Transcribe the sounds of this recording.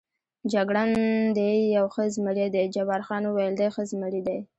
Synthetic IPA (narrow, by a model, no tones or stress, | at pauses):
d͡ʒaɡɽand̪ejawxəzməɽid̪ed͡ʒabɑɾxɑnwajld̪axəzməɽid̪aj